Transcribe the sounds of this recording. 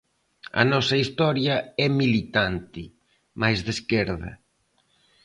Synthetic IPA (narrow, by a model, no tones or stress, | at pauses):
ɐ̰nɔsɐist̪ɔɾjɐɛmilit̪ant̪ɪ | majzðeskeɾðɐ̰